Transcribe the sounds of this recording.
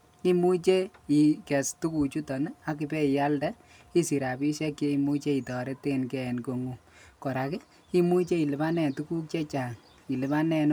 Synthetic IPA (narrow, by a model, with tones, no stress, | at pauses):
i˦mu˦t͡ʃe˦i˨kɛ˨stu˦ku˨t͡ʃu˦tɔ˨n˦a˦kɪ˧pɛ˦i˨ja˦ldɛ˦ | i˦si˨ɾa˨bi˦ʃɛ˦kje˦i˨mu˦t͡ʃe˦i˨tɔ˨ɾe˦te˦nkɛ˦ɛ˨nko˨ŋu˦ | kɔ˨ɾa˨kɛ˦ | i˦mu˦t͡ʃe˦i˨lɪ˨ba˦nɛ˨tu˦ku˦k̚t͡ʃe˦t͡ʃa˨ŋ | i˨lɪ˨ba˦nɛ˧n